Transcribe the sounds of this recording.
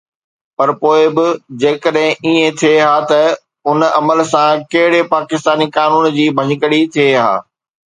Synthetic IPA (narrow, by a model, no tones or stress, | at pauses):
pɐɾpoːɪbɪd͡ʑeːkəɗɦɪ̃ʔiːẽt̪ʰieɦaːt̪ɐ | ʊnɐməlsãkɐɦɪɽepaːkɪst̪aːnikaːnuːnd͡ʑiːbʱɐɲɪkəɽit̪ʰieɦa̰ː